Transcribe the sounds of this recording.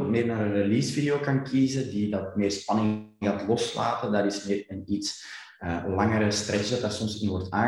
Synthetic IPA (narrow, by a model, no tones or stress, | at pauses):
tmeːrnaːɾənrelisfideoːkɑnkʰiːzədidɑtmɪːrspɑnɪ | ɣaːtlɔsla̰ːtədaːɾɪsmɪːrənits | əlɑŋəɾəstrɛsəsdɑtdaːsɔmsɪnʋɔrtaː